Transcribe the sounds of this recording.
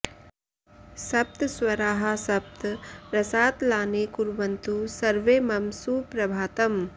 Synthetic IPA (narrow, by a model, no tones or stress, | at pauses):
sɐp̚t̪swɐɾaːɦasɐp̚t̪ɾɐsaːt̪laːneːkuɾʋɐnt̪usɐɾʋeːmɐmsupɾɐbʱaːt̪ɐm